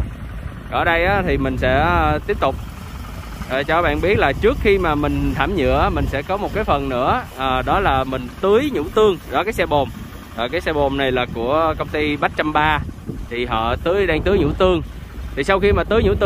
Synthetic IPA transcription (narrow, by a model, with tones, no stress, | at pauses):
kəː˧˩ɗə˧jʔaː˨˦t̪ʰi˨˩mï˨˩ŋ̟sɛ̰˧˥t̪i˦˥əp̚t̪ʊ˨˩k͡p̚ | ʔːt͡ɕɔ˧˦ɓa̰ː˧˨nɓi˦˥ət̚laː˨˩t͡ɕɨ˦˥ək̚xi˧maː˨˩mï˨˩ŋ̟t̪ʰaː˧˩mɲɨ̰˧˨ə˦mï˨˩ŋ̟sɛ̰˧˥kɔ˨˦mo˨˩t̚kaː˨˦jfə˨˩nnɨ̰˧˥əʔːɗɔ˨˦laː˨˩mï˨˩ŋ̟t̪ɨ˨˦jɲṵ˧˥t̪ɨ˧əŋɗɔ˨˦kaː˨˦jsɛ˧ɓo˨˩m | ʔaː˨˩kaː˨˦jsɛ˧ɓo˨˩mna˨˩jlaː˨˩ku˧˩əkə˧wŋ͡mt̪i˧ɓa˦˥t̚t͡ɕa˧mɓaː˧t̪ʰi˨˩ɦɔ̰˧˨t̪ɨ˨˦əjɗaː˧ŋt̪ɨ˨˦jɲṵ˧˥t̪ɨ˧əŋ | t̪ʰi˨˩sa˧wxi˧maː˨˩t̪ɨː˨˦jɲṵ˧˥t̪